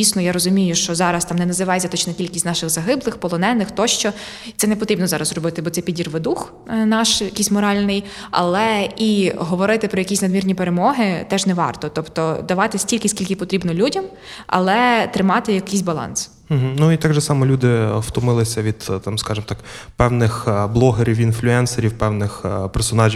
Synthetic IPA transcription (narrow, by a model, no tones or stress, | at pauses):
isnɔjaɾɔzʊmʲijʊʃt͡ʃɔzɑɾɐst̪ɑmnɛnɐzɪʋɑjzʲɐt̪ɔt͡ʃnɛtʲilʲkɪsʲzʲnɑʃɪɣzɐɦɪblˠɪxpɔlˠɔnɛnːɪxt̪ɔʃt͡ʃɔ | t̪ɛnɛpɔt̪ɾibnɔzɑɾɐzrɔbɪt̪ɪbɔt̪sɛpʲidʲirʋɪd̪ux | nɑʃjɐkʲisʲmɔɾɑlʲnɪj | ɐ̰lˠɛiɦɔʋɔɾɪt̪ɪpɾɔjɐkʲisʲnɐd̪mʲirnʲipeɾemɔɦɪt̪ɛʒnɛʋɑ̰rt̪ɔt̪ɔpt̪ɔd̪ɐʋɑt̪ɪsʲtʲilʲkɪsʲkʲilʲkɪpɔt̪ɾʲibnɔlʲudʲɐm | ɐ̰lˠɛt̪ɾɪmɑt̪ɪjɐkisʲbɐlˠɑ̰ns̩ | ɦ̩nuit̪ɑɡʒɛsɑmɔlʲud̪ɪwt̪ʊmɪlˠɪsʲɐʋʲid̪̥t̪ɑmskɑʒɪmt̪ɑkpɛwnɪxblˠɔɦeɾʲiwinflʲʊɛnseɾʲiwpɛwnɪxpɛrsɔnɑʒʲi